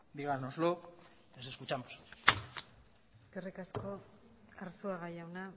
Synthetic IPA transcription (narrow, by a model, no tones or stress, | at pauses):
d̪iɣaɾnoslo | eseskut͡ʃamos | eskerikasko̞ | aɾsuaɣajawna